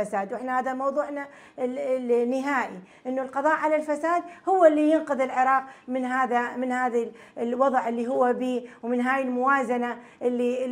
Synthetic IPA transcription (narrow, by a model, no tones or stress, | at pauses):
asaːd̪wɪħnahaːðamɑwðˤuːʕna | nɪɦaːʔiʔɪnːʊlqɑðˤɑːʔʕalalfasaːd̪hʊwːlːijɪnqʊðɪlʕɪɾˤɑːq̚mɪnɦaːðamɪnhaːða | lwɑðˤʕʔɪlːiɦʊwːabiːwmɪnɦaːjɪlmʊwaːzana | ʔɪlːi